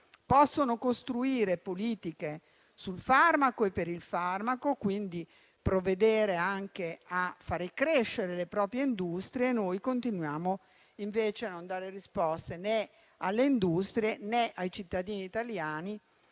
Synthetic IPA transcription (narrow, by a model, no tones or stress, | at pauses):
pɔsːonokost̪ɾuiːɾepoliːt̪ike | sulfarmakoepːeɾilfarmakokwind̪i | pɾoved̪eːɾeaŋkeafːaːɾekɾeʃːeɾelepɾɔːpɾjeind̪ust̪ɾjeːnoːjkont̪inwjaːmo | iɱveːt͡ʃeanond̪aːɾerispɔst̪ene | alːeind̪ust̪ɾjeneʔajt͡ʃit̪ːad̪iːniːt̪aljaːni